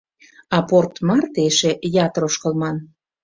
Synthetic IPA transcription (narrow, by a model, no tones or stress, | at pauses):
ɑport̪mɑrt̪eʃejɑt̪ɾoʃkə̆lmɑn